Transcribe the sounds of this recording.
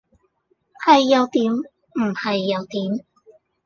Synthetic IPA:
hɐ˨jːɐ˨˧wt̪iː˨˥m | m̩˨˩hɐ˨jːɐ˨˧wt̪iː˨˥m

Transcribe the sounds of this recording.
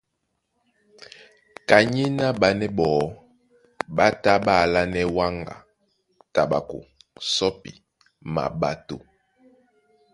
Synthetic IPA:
ka˨ɲi˦na˦ɓa˨nɛ˦ɓɔ˨ | ɓa˦ta˦ɓa˦˨la˦nɛ˦wa˦ŋɡa̰˨ | ta˨ɓa̰˨kṵ˨ | sɔ˦pḭ˨ | ma̰˨ɓa˨to̰˨

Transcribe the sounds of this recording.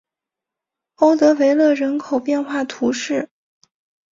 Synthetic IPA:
o˥ʊt̪ɤ˧˥we˧˥ɪlɤ˥˩ɻə˧˥nkʰo˨˩ʊpjɛ˥˧nxwa˥˩t̪ʰu˧˥ʂɻ̩˥˩

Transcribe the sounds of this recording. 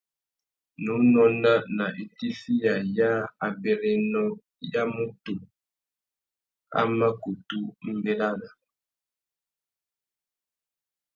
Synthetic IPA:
nu˨˦nɔ˦na˦na˨ʔe˨ti˦si˦ja˨ja˦a˨bɛ˨ɾɛ˨nɔ˦ | ja˦mu˦tu˨ | a̰˦ma˦ku˨tu˦m̩˨bɛ˨la˦na˨

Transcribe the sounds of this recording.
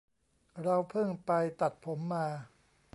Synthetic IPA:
ɾa˧wpʰɯ˥˩ŋpa˧jt̪a˨˩t̪̚pʰo˩˦mːaː˧

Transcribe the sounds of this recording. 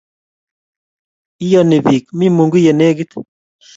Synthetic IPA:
i˦jɔ˨ni˨βi˨k̚mi˦mu˨ŋɡi˦je˨ne˦ɡi˦t

